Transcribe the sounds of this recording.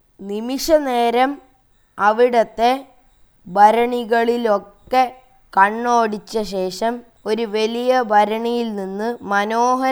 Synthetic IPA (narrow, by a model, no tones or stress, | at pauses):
nimiʂɐne̞ːɾɐm | ɐʋiɽɐt̪ːe̞ | bʱɐɾɐɳiɣɐɭilo̞kːe̞ | kɐɳːo̞ːɽit͡ɕːɐɕe̞ːʂɐm | o̞ɾuʋe̞lijɐbʱɐɾɐɳijilninːɨmɐno̞ːɦɐ